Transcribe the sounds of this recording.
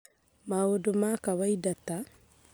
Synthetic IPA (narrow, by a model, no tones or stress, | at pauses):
maodomakaβaidata